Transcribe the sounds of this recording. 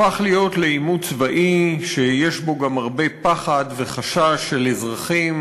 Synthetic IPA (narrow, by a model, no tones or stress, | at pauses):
aχlijo̞t̪le̞imut͡svaʔiʃejeʃbo̞ɡamaʁbe̞paχadve̞χaʃaʃːelezʁaχim